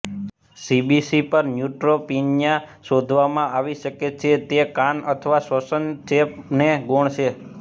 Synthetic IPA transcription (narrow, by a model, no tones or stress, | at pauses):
sibisipəɾnjuʈɾopinjaʃod̪ʱʋamãʔaʋiʃəket͡ʃʰet̪ekanət̪ʰəʋasʋəsənt͡ʃepneɡoɳt͡ʃʰe